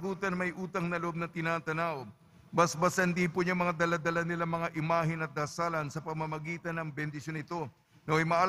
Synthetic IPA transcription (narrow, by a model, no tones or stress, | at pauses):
ɡuːt̪ɐnmɐjʔuːt̪ɐŋnɐloʔo̞b̚nɐt̪ɪnaːt̪ɐnaːʔo | bɐsbɐsɐnd̪ipʊɲamɐŋad̪ɐlad̪ɐlanɪlaŋmɐŋaʔɪmaːɦɪnɐt̪̚d̪ɐsalɐnsɐpɐɡmɐmɐɡiːt̪ɐnɐŋbɛnd̪ɪsjo̞nɪt̪o̞ | noʔɐjmɐʔaːl